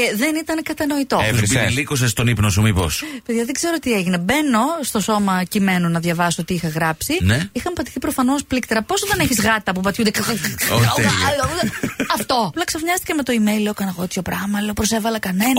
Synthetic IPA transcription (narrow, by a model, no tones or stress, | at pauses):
eðenit̪ɐnkɐt̪ɐno̞it̪o̞eosilikos̬est̪o̞nipnosumipo̰speðʝɐðeɡze̞ɾo̞t̪ieʝine̞be̞no̞st̪o̞so̞mɐcime̞nunɐðʝɐvɐsoot̪iixɐɣɾɐpsineixɐmpɐt̪i̥θipɾo̞fɐno̞splik̚t̪eɾɐpo̞sot̪ɐneçizɣɐt̪ɐpupɐt̪çund̪ekoɐlouɐɐft̪o̞ɐplɐksɐfɲɐst̪icemet̪o̞imejleokɐnɐɣot̪ço̞pɾɐmɐleopɾose̞vɐlɐkɐne̞nɐ